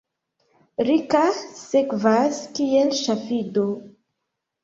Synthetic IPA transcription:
ɾikasekvaskielʃafido

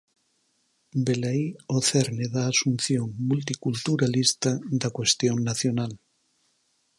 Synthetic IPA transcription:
belajoθeɾneðaːsunθiomult̪ikult̪uɾalist̪ad̪akwe̞st̪ionːaθjo̞nal

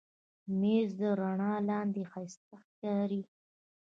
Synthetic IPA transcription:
mezd̪əɾaɳɑlɑnd̪exajst̪̚əxkɑɾi

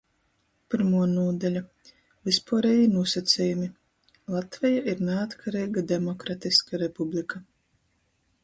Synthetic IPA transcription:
piɾmuɔnuɔd̪ɛlʲu | vʲispɔɾɛjinuɔsat̪sʲɛjumi | lˠat̪vɛjaʔiɾnɛat̪kʰaɾiːjɡad̪ɛmɔkɾat̪iskaɾɛpublʲika

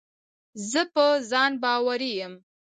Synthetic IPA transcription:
zəpəzɑnbɑwaɾijəm

